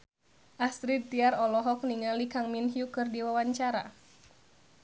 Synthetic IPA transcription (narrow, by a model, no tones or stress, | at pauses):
ʔasɾid̪̚t̪iaɾɔlɔɦɔk̚niŋalikaŋminhjukɨrdiwawaɲt͡ʃaɾa̰